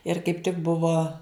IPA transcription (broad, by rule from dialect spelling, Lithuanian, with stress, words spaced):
ɪr kɐɪp tʲɪk ˈbʊʋoː